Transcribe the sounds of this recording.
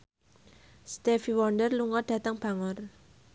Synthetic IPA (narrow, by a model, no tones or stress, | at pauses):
st̪ɛfiwɔndərluŋɔd̥ä̤t̪əŋb̥a̤ŋɔr